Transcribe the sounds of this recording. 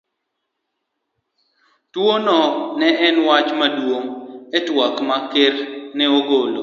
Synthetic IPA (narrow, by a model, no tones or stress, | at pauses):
twonɔnɛɛnwat͡ʃmadwoŋɛtwakmakeɾnɛoɡolo̰